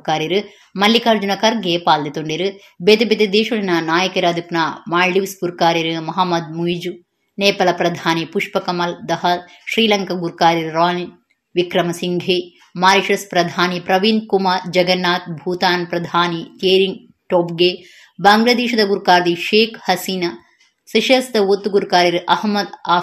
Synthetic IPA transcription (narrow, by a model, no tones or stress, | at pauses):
kaːɾiɾɨ | mɐlːikaːɾd͡ʒunɐkɐɾɡeːpaːld̪et̪oɳɖiɾɨ | bet̪ebet̪ed̪eːʃulinɐnaːjɐkɐɾaːd̪ipnamaːɭɖiʋspuɾkaːɾiɾɨmɐɦɐmːɐd̪̚muid͡ʒu | neːpɐlɐpɾɐd̪ʱaːnipuʂpɐkɐmɐld̪ɐɦɐ | ʃɾiːlɐŋkɐɡuɾkaːɾiɾɾaːni | ʋikɾɐmɐsiŋɡʱeː | maːɾiʃɾɐspɾɐd̪ʱaːnipɾɐʋinkumaːɾd͡ʒɐɡɐnːaːt̪̚bʱuːt̪aːnpɾɐd̪ʱaːnit̪eːɾiŋɡ | ʈoːp̚ɡeː | baːŋɡlɐd̪eːʃɐd̪ɐɡuɾkaːɾd̪iʃeːkhɐsiːnɐ | sɐʃɐst̪ɐot̪ːuɡuɾkaːɾiɾɨʔɐhmːɐd̪aː